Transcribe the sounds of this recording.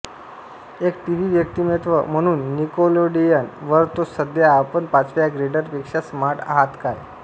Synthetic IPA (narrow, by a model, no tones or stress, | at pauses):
ekʈiʋiʋjək̚t̪imet̪ʋə̰m̤əɽ̃uːnːikoloɖijanʋəɾt̪osəd̪jaːpəɳpat͡sʋjaɡɾeɖəɾpekʂasmaɾʈa̰ɦat̪kaj